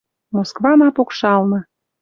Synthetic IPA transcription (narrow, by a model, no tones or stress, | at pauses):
moskvɑmɑpokʃɑlˠnɤ̆